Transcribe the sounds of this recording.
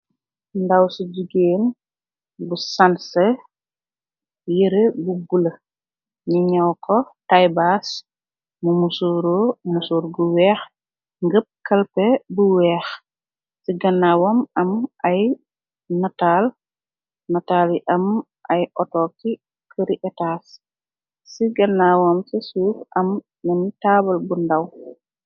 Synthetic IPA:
ndawsiɟuɡeːn | busanse | jəɾəbubulə | ɲiɲɐwkʰɔtajbas | mumusuɾomusuːɾɡuwɛːx | ŋɡəp̚kɐlpɛbuwɛːx | siɡɐnːawɔmɐmɐj | nataːl | nɐtaːliʔɐm | ʔɐjʔɔtɔkːi | kʰəɾiʔɛtaːs | siɡɐnːawɔmsisuːfʔɐmː | ɛntaːbɐlbundaw

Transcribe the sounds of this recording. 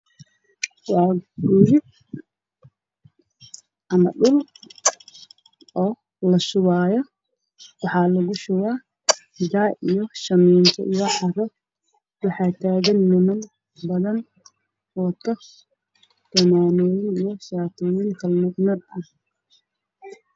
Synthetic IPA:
wɑːɡɡuːɾɪ | ʔɐmɐ̰ɗʊl | ʔɔː | lɐʃʊwaːjɔ | wɑħɑːlɐɣʊʃʊwaː | ɡaːʔijɔʃɐmɛːnt̪ʰɔ̰ʔijɔʕɑrɔ | wɑħɑːt̪ʰaːɣɐnːɪmɐn | bɐðɐn | wɔt̪ʰɔ | t̪ʰɐmaːnɔːjɪnijɔʃaːt̪ʰɔːjɪŋkʰɐlmʊɡnɐd̪ɐh

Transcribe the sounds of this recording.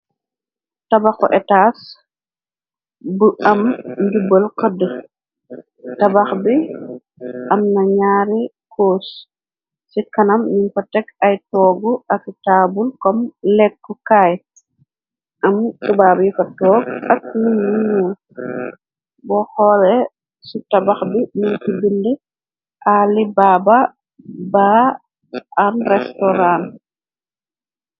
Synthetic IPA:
tɐbaxɔʔɛtaːs | bəʔɐmɲdubəlkədə | tɐbɐxbi | ʔɐmnɐɲaːɾi | kʰoːs | sikɐnɐmninkɔtɛkɐjtɔːɡuʔɐktaːbulkɔmlɛkːukaj | ʔamsubabifɐtɔːɡak̚ninmuɲuːl | bɔxɔlɛ | sitabaxbininkibindi | ʔalibaba | ba | ʔanrɛstɔɾan

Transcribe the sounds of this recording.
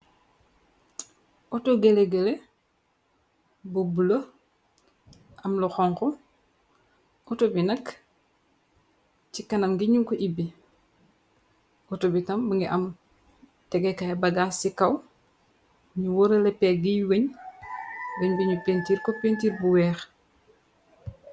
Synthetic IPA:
ʔɔtoɡeleɡɛle | bobulo | ʔɐmlɔxɔŋkɔ | ʔɔtobinɐk | cikɐnɐmɡiɲuŋkɔʔibi | ɔtobitɐmbɐŋɡiʔɐm | tɛɡɛkajbɐɡaːsikɐw | ɲuwɔɾɐlɛpːɛɡijweɲ | wɐɲbiɲupentiːɾkɔpentiːɾbuwɛːx

